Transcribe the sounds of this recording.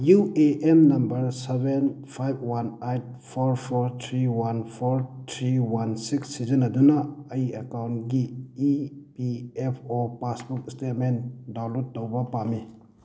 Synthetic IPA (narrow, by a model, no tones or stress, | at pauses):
jueʔemnɐmbɐɾseben | pʰajb̚ʰwanajt̚pʰoɾpʰoɾt̪ʰɾiwanpʰoɾt̪ʰɾiwansiksːizənɐdunɐɐjiɐkawntɡiː | piepʰopasbuk̚istet̚mendalutːowbɐpami